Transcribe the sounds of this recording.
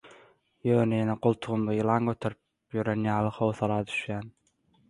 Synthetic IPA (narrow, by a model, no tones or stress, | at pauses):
jøːnejeneɡolˠt̪ʰuʁumd̪ɑɯlˠɑŋɡøt̪ʰøɾyp | jyɾenjɑːlˠɯχowθɑlˠɑːd̪y̥ʃjæːn